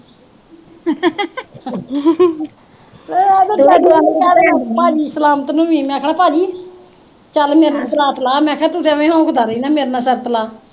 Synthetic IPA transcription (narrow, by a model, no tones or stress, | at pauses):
beedoaːeːt͡ʃəlːpaːd͡ʒiːsəlaːmət̪nũːʋiːmɛ̃ːkʰɳaːpaːd͡ʒiː | t͡ʃəlmeːɾnãːsəlaːt̪laːmɛ̃ːkʰɛːt̪ʊsãːʋẽːɦõːkʰəd̪aːɾəiːnaːmeːɾnaːsəɾt̪laː